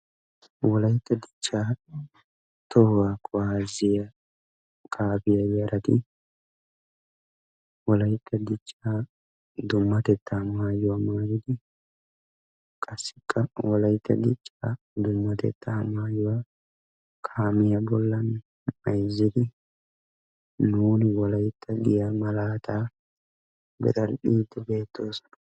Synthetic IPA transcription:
wɔlɐjɪt̪ːɐd̪ɪt͡ʃʼːaː | t̪ɔhwaːkʼʊwaːzɪjɐ | kʰʼaːbɪjɐjɐɾɐt̪ɪ | wɔlɐjt̪ːɐd̪ɪt͡ʃʼːaː | d̪ʊmːɐt̪ɛt̪ːɐmaːjʊwamaːjɪd̪ɪ | kʼɐsːɪkʼːɐwɔlɐjɪt̪ːɐ̰d̪ɪt͡ʃʼːaː | d̪ʊmːɐt̪ɛ̰t̪ːɐɐmaːjʊwa | kʰaːmɪjɐbɔlːɐn | mɐjzːɪd̪ɪ | nuːnɪwɔlɐjɪt̪ʰːɐɡɪjamɐlaːt̪aː | bɛ̰t̪ʼɐlɗiːd̪ʊbe̞ːt̪ʰːoːsɐ̥n

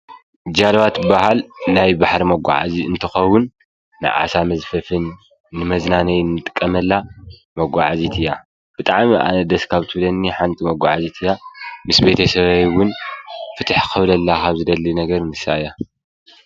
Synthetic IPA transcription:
d͡ʒalwat̪bahalnajbaħɾimɐɡʷa̰ʕa̰ziɨnt̪ʰɨxɐwʊnː | ɨ̰ʕa̰samɐzfɐfɨnː | ɨmɐznanɐjnːɨt̪ʼɨ̥kʼːɐmɐlːa | mɐɡʷaʕazit̪ʰɨjːa | b̥ɨt̪ʼaʕmiʔa̰nɐd̪ɐskʰaβt̪ʰɨβlɐnːiħant̪ʰʼimɐɡʷaʕazit̪ʰɨjːamɨsbe̞t̪ʰɐsɐβajwʊnfɨt̪ʰaħkʰɨβlɐlːakʰaβzɨd̪ɐlːinɐɡɐɾnɨsaʔja

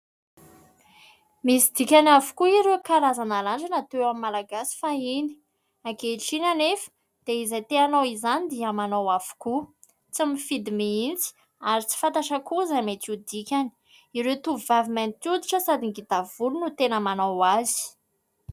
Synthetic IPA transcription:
misid̪ikʲanavu̥kuiɾewkaɾazanalanɳd͡ʒanat̪ewamimːalaɡasi̥faini̥ | akeʈ͡ʂinanefə̥ | d̪̥eizajt̪eanowizanid̪iəmanawav̥u̥ku | t͡simifid̪imiint͡si̥ | aɾit͡si̥fant̪aʃakuzamet͡s̪ud̪ikʲani̥ | iɾet̪uvuvavimant̪ud̪iʈ͡ʂəsad̪iŋɡit̪avulunut̪enəmanawazi̥

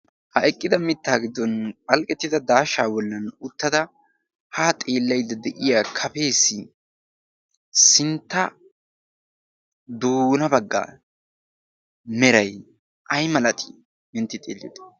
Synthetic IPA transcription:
hɐʔɛkʼːɪd̪ɐmɪt̪ːaːɡɪd̪ːɔnpʼɐlkʼɛt̪ːɪd̪ɐd̪aːʃaːwɔlːɐnʊt̪ːɐd̪ɐ | hat̪ʼe̞ːlːɐjd̪ɐd̪ɛʔɪjaːkʰɐpe̞ːsɪ | sɪnt̪ːɐ | d̪uːnɐbɐɡːa̰ː | mɛɾɐj | ʔɐjmɐlɐt̪ʰʼi̥ | mɪnt̪ːɪt̪ʼeːlːɪjot̪

